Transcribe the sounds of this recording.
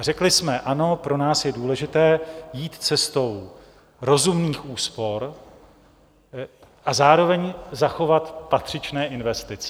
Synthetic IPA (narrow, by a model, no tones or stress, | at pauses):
rɛklɪsmɛʔano̞pɾo̞naːsjɛduːlɛʒɪt̪ɛːjiːt̪t͡sɛst̪o̞w | ɾo̞zumniːxʔuːspo̞ɾ | ʔazaːɾo̞vɛɲzaxo̞vat̪pat̪r̝̥ɪt͡ʃnɛːʔɪnvɛst̪ɪt͡sɛ̥